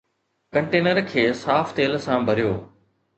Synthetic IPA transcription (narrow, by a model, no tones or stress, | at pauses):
kɐ̃ɳʈeːnəɾkʰeːsaːft̪eːlsãbʱɐɾijoː